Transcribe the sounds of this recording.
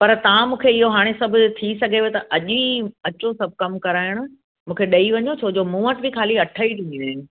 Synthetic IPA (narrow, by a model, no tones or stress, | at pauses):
pɐɾt̪ɐʋãmũːkʰeɪɦoɦaːɽ̃esɐbʱʊ̆t̪ʰisɐɡʱeʋet̪ɐʔɐʄiɐt͡ɕosɐb̚ʱkɐmkɐɾaːɪəɽ̃ʊ̆ | mũːkʰeɗɐiʋɐɲot͡ɕʰoːd͡ʑomũːəʈbʱikʰaːliɐʈʰəiʈʰĩĩnẽ